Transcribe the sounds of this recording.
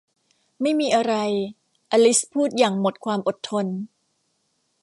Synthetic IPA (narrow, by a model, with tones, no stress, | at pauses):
ma˥˩jmiː˧ʔa˧ɾa˧j | ʔaː˧li˦˥spʰuː˥˩t̪̚jaː˨˩ŋmo˨˩t̪̚kʰwaː˧mʔo˨˩t̪ʰːo˧n